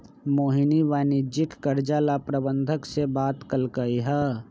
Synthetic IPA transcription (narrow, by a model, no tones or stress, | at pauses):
moːɦiniʋanid͡ʒɪkːəɾd͡ʒalapɾəbənd̪ʱəksebaːt̪kəlkəiɦɛ